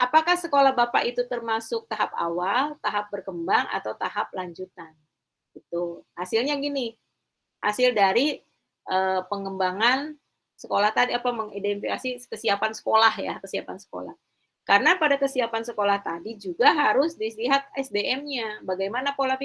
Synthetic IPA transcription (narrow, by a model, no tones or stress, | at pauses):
ʔapakahsəkolahbapa̰ʔit̪ut̪ərmasʊk̚t̪aɦap̚a̰walt̪aɦap̚bərkəmbaŋa̰t̪awt̪aɦap̚laɲd͡ʒut̪an | ɡət̪uhasɪlɲaɡini | ha̰sɪldaɾi | ʔəpəŋəmbaŋan | səkolaht̪adiapaməŋidɛnifikasikəsiapansə̥kolahja̰kəsiapansə̥ko̰la̰h | karənapadakəsiapansəkolaht̪adid͡ʒuɡaɦaɾʊsdisliɦat̪̚ɛsdeɛmɲabaɡajmanakola